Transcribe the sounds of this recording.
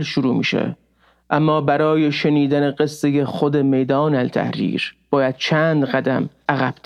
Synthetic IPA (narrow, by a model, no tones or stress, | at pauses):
ɾʃuɾuːmḭːʃḛ | ʔæmːɒːbæɾɒːje̞ʃe̞niːd̪æneɢesːe̞jexod̪e̞me̞jd̪ɒːnælt̪ʰæ̰hɾḭːɾb̥ɒːjæd̪̥̚t͡ʃʰæːnd̪ɢæd̪æ̰mʔæɣæb̥̚t̪